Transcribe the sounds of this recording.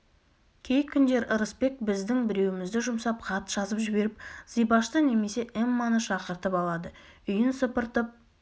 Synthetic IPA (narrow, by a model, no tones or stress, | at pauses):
kʲʰe̞jkʲʰːʏnd̪e̞ɾʔəɾəspe̞k̚bɪzd̪ɪŋbɪɾe̞wɪmɪzd̪ɪʒʊmsɑpqʰɑt̪ʒ̥ɑzəpʒɪbe̞ɾɪp̚zijbɑʃt̪əne̞me̞se̞ʔemːɑnəʃɑqəɾt̪əpɑlˠɑd̪əʏjɪnsəpəɾt̪əp̚